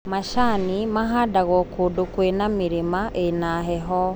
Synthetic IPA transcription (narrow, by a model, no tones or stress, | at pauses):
maʃanimaɦadaɣɔkodokwenamiɾimaʔenaɦɛɦɔ